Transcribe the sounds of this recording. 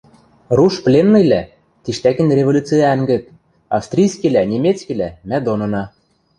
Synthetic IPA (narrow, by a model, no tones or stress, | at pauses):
ruʃplʲenːɤ̆jlæ | t̪iʃt̪ækɘ̆nrʲevolʲut͡sɨjæŋɡɘ̆t̪̚ | ɑfst̪ɾʲijskilænʲemʲet̪t͡skʲilæmæd̪onɤ̆nɑ